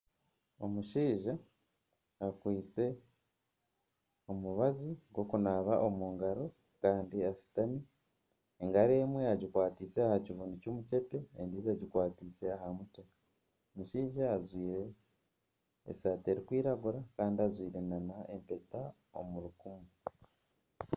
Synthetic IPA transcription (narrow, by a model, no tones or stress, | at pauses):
o̞muʃiːʒa | akwiːt͡se̞ | omuβaziɡwo̞kunaːβaʔo̞muːŋɡaɾo̞ | kaːndiasi̥tani | eŋɡaɾe̞ːmweaɟikwaːtise̞ahaciβuːnducoːmuce̞pe̞ːndiːzaɟikwaːtise̞ahamutee | miʃiːʒaːzwiːɾe̞ | saːte̞ɾikwiːɾaɡuɾakaːndiazwiːɾe̞nanaempe̞ta | o̰muɾukumu